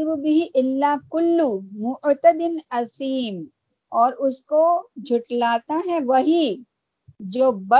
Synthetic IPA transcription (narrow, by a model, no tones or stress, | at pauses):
bʊbɪɦiʔɪlːakʊlːumʊʔt̪əd̪ɪnɐsiːm | ɔːɾʊskod͡ʒʱʊʈlaːt̪aɦɛʋɐɦi | d͡ʒoːbɐ